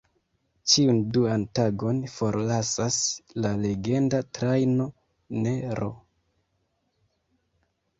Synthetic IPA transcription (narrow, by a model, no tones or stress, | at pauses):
t͡ʃiunduantaɡo̞nfo̞ɾlasaslale̞ɡe̞ndatɾajno̞ | ne̞ɾʔo̞̰